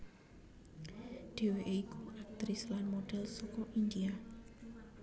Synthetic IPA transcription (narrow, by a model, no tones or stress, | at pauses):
ɖ̥e̤weʔeikuʔak̚t̪ɾɪslanmoɖ̥ɛlsokɔʔind̪ia